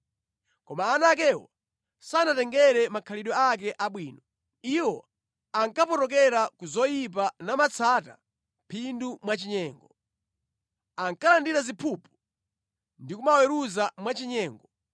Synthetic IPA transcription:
kɔmaːnak̬ɛwɔ̰ | sanatɛŋɡɛɾɛmakʰaliɗɔak̬ɛʔaɓwiːnɔ | iwɔ | aŋkapɔtɔk̬ɛɾakuzɔjip̬anamat͡sʰata̰ | mpʰindumwat͡ʃiɲɛːŋɡɔ | aŋkalandiɾazipʰupu̥ | ndikumawɛɾuzamwat͡ʃiɲɛːŋɡɔ

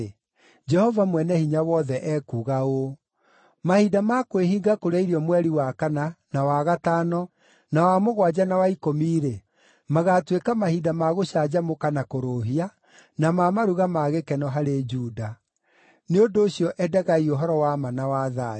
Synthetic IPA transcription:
d͡ʒɛhɔvamwɛnɛhiɲawɔðɛʔɛkuːɣao | mahidamakoweɦiːɡakoɾaiɾiɔmwɛɾiwakananawaɣataːnɔ | nawamoɣwad͡ʑanawaikomiːɾe | maɣaːtwekamahidamaɣoɕaːd͡ʑamokanakoɾoɦia | namamaɾuɣamaɣekɛnɔɦaɾed͡ʒuːda | neondoːɕjɔʔɛdɛɣaioɦɔɾɔwamanawaːða

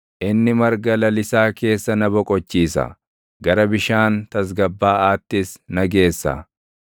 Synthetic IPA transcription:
ʔɪnːɪmɐɾɡɐlɐlɪsaːke̞ːsːɐnɐbɔkʼɔt͡ʃːiːsɐ̰ | ɡɐɾɐbɪʃaːnt̪ɐs̬ɡɐbːaːaːt̪ːɪsnɐɡe̞ːsːɐ̰

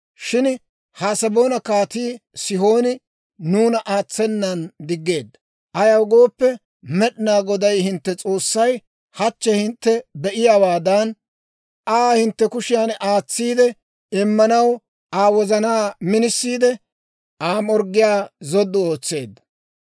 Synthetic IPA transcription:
ʃɪn | haːsɐbo̞ːnɐkaːt̪iːsɪho̞ːnɪ | nuːnɐʔaːt͡sːɛnːɐnd̪ɪɡːe̞ːd̪ːɐ | ʔɐjɐwɡo̞ːpːɛ | mɛɗnaːɡɔd̪ɐjhɪnt̪ːɛt͡sʼo̞ːsːɐj | hɐt͡ʃːɛhɪnt̪ːɛbɛʔɪjaːwaːd̪ɐn | aːhɪnt̪ːɛkʊʃɪjanaːt͡sːiːd̪ɛ | ɪmːɐnɐw | ʔaːwɔzɐnaːmɪnɪsːiːd̪ɛ | aːmɔɾɡːɪjaːzɔd̪ːɔoːt͡sːe̞̰ːd̪ːɐ̥

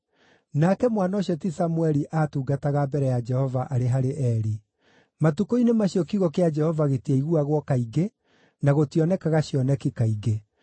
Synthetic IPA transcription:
nakɛmwanaːɕjɔtisamuɛɾiʔatuːɡataɣabɛɾɛjad͡ʒɛhɔvaʔaɾeɦaɾeʔɛɾi | matukoinemaɕiɔkiɣɔkead͡ʒɛhɔvaɣetieiɣuaɣwɔkaiɡe | naɣotiɔnɛkaɣaɕiɔnɛkikaiɡe

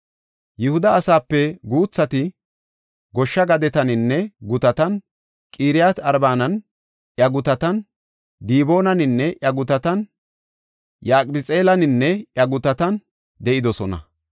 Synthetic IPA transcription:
jɪhʊd̪ɐːsaːpːɛɡuːt͡sːɐt̪ɪ | ɡɔʃːɐɡɐd̪ɛt̪ɐnɪnːɛɡʊt̪ɐt̪ɐn | kʼiːɾɪjat̪ɐɾbaːnɐn | ʔjɐɡʊt̪ɐt̪ɐn | d̪iːbo̞ːnɐnɪnːɛʔjɐɡʊt̪ɐt̪ɐn | jaːkʼbɪt͡sʼe̞ːlɐnɪnːɛʔjɐɡʊt̪ɐt̪ɐn | d̪ɛʔɪd̪ɔsɔnɐ̰

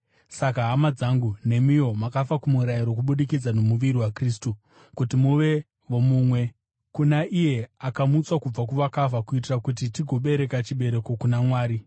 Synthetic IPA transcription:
sakaɦamad͡zaŋɡune̞mijo̞makafakumuɾaiɾo̞k̬uɓuɗikid͡zano̞muʋiɾiwakriːstu | kutimuʋe̞ | ʋo̞mumwe̞ | kunaʔije̞akamut͡swakub͡vakuʋakavakuitirakut̬itiɡʱo̞ɓe̞ɾe̞kat͡ʃiɓe̞ɾeko̞kunamwaːɾi

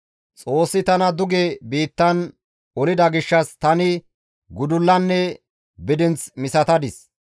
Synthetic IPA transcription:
t͡sʼo̞ːsːɪt̪ɐnɐd̪ʊɡebiːt̪ːɐn | ɔlɪd̪ɐɡɪʃːɐst̪ɐnɪ | ɡʊd̪ʊlːɐnːɛ | bɪd̪ɪnt͡smɪsɐt̪ɐd̪ɪs

